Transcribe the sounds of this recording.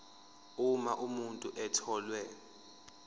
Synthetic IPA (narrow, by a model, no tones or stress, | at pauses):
umaʔumuntʼuʔɛtʰɔːlwɛ